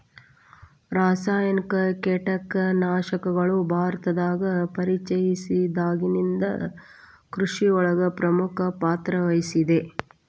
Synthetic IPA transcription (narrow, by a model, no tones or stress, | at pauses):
ɾaːsaːjɐnikɐkeʈɐkːnaːʂɐkɐɡɐɭubʱaːɾɐt̪ɐd̪aːɡɐpɐɾit͡ʃɐjisid̪aːɡinind̪ɐ | kɾuʂiɔɭɐɡɐpɾɐmukʰɐpaːt̪ɾɐʋɐjisid̪e̞